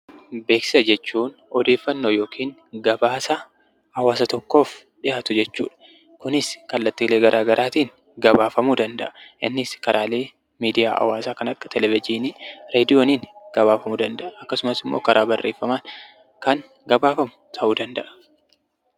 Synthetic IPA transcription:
be̞ːksɪ̥sɐd͡ʒɛt͡ʃːuːn | ɔd̪e̞ːfːɐnːoːjo̞ːkʰiːŋ | ɡɐbaːsɐ | ɐwaːs̬ɐt̪ɔkːo̞ːf | ᶑɪʔaːt̪ʊd͡ʒɛt͡ʃːṵːᶑɐ̥ | kʊnɪskɐlːɐt̪ːiːleːɡɐɾʔaːɡɐɾʔaːt̪iːŋ | ɡɐbaːfɐmuːd̪ɐnd̪ɐ̰ʔɐʔɪnːɪskɐɾʔaːle̞ː | miːd̪ɪja̰ːʔɐ̰waːsaːkɐnɐkʼːɐ̥t̪ʰɛlɛvɪd͡ʒiːniɾeːd̪ɪjo̞ːniːnɡ̥ɐβaːfɐmuːd̪ɐnd̪ɐʔɐɐkːɐsʊmɐsɪmːo̰ːkɐɾʔaːbɐrːe̞ːfːɐmaːn | kɐŋ | ɡɐbaːfɐmʊ̥t̪ʰɐʔud̪ɐnd̪ɐʔɐ̥

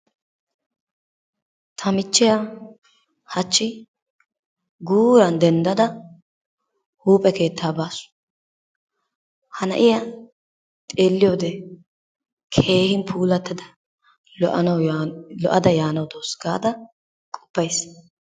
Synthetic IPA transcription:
t̪ʰɐmɪt͡ʃːɪja | hɐt͡ʃːɪ | ɡuːɾɐnd̪ɛnd̪ɐd̪ɐ | huːpʼɛke̞ːt̪ːaːbaːsʊ̥ | hɐnɐ̰ʔɪjɐ | t̪ʼeːlːɪjoːd̪ɛ | kʰe̞ːhɪnpʰuːlɐt̪ːɐd̪ɐ | lɔʔɐnɐwlɔ̰ʔɐd̪ɐjaːnɐwd̪oːsɡaːd̪ɐ | kʼʊ̥bːɐjs

